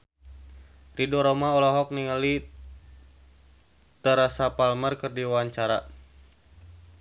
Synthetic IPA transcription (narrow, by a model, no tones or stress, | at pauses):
ridɔɾɔmaɔlɔɦɔk̚niŋali | t̪əɾasapalmərkɨrdiwaɲt͡ʃaɾa̰